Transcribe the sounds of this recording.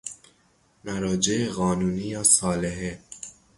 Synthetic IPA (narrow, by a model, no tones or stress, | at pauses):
mæɾɒːd͡ʒeʔeɣɒːnuːniːjɒːsɒːleɦe